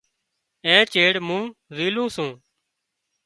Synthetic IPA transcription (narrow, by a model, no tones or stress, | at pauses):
ẽːt͡ʃeːɽmũːziːlũːsũː